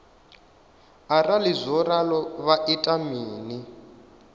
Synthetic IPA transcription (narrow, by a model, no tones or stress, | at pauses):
aralizʷɔɾalɔβaʔitʼamiːni